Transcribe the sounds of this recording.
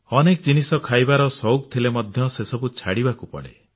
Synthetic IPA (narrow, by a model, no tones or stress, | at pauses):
ɔnekɔd͡ʒinisɔkʰajbaɾɔsɔwk̚t̪ʰilemɔd̪ʱjɔsesɔbut͡ʃʰaɽibakupɔ̰ɽḛ